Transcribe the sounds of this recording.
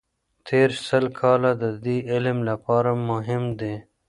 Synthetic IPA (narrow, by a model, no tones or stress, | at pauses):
t̪ʰeːɾsəlkʰɑːlad̪əd̪iːɪlmlapɑːɾamʊɦɪmd̪eː